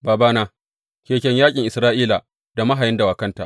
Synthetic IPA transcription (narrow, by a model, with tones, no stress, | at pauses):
baː˨baː˦naː˦ | kʲeː˨kʲɛ˨ɲjaː˦kʲʼɪ˨ŋʔɪ˨sɾaː˦ʔiː˦la˨ | d̥a˨mɐ˦ɦa˨jɪ˦nda˨waː˨kɐ˦nta̰˨